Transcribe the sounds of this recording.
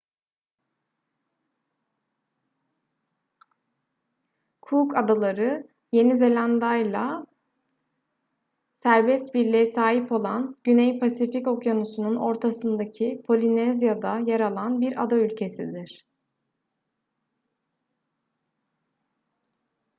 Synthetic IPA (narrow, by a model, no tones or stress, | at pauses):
kʰuːkad̪alˠaɾɯ | je̞nize̞lʲand̪ajlˠa | sæɾbɛst̪̚biɾlʲejɛsaːɦipo̞lˠanɟynɛjpʰasifico̞kjanusununo̞ɾt̪ʰasɯnd̪acʰipʰo̞lʲinɛzjad̪ajaɾalˠanbiɾa̰d̪aylʲcʰe̞sid̪iɾ̥